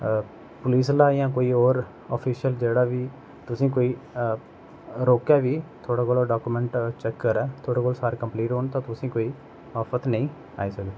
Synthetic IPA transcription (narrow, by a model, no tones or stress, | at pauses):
pʊliːslaːjãːkoːiːoːɾ | ɔ̰ːpʰiːʃəld͡ʒeːɽaːʋiː | t̪ʊsĩːkoːiː | ɾoːkɛːʋiːt̪ʰoːɽaːkoːloːɖaːkuːmɛ̃ːɳʈt͡ʃɛkːəɾɛːt̪ʰoːɽaːkoːlsaːɾkəmpliːʈɦoːnt̪ãːt̪ʊsĩːkoːiː | aːpʰət̪nəĩː | a̰ːiːsəɡd̪